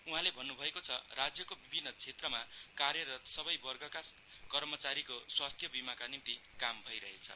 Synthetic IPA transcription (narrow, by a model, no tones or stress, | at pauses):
uɦãlebʱʌnːubʱʌekot͡sʰʌ̰rad͡zjʌkobibʱinːʌt͡sʰet̪rʌmakarjʌɾʌt̪sʌbʌjbʌrɡʱʌka | kʌrmʌt͡saɾikoswast̪ʰjʌbimakanint̪ikambʱʌjɾʌɦḛt͡sʰʌ̰